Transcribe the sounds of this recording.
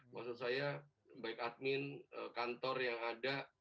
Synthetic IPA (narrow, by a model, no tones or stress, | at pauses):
maksʊt̪̚saja | baɪkat̪̚mɪnə̰kant̪ɔrjaŋada